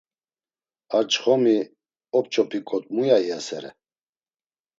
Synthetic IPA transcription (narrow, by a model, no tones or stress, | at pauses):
aɾt͡ʃʼχɔmi | ɔp̚t͡ʃʰʼɔpʰikʼɔt̪ʼmujaiasɛɾɛ̰